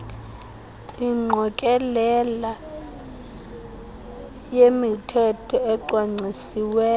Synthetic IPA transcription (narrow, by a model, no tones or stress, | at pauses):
iŋ͡ǃʱɔkʼɛlɛla | jemitʰɛtʰɔɛǃwaŋ͡ǀisiwɛː